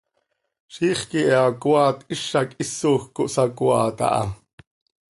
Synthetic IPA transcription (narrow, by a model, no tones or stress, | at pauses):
ʃiːχkiʔɛakuɑːt̪ʔiʃɑkisːoːxkoʔsɑkwɑːt̪ɑ̰ʔɑ̰